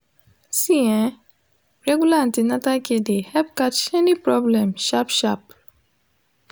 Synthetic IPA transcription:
siɛ̃ | ɹɛɡulaãntinatakedehɛpkat͡ʃɛnipɾɔblɛ̃mʃapʃap

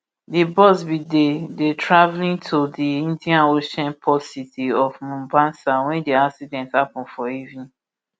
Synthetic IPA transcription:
dibɔsbidedetʰɹavlĩntʰodiĩndiãnoʃɛ̃npʰɔsitiɔfmũmbãnsawɛ̃ndiaksidɛ̃nthapɔ̃n̩fɔivnĩ

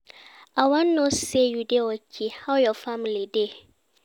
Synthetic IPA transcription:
ʔawanːossejudewɐkʲʰihawjɔfamlide

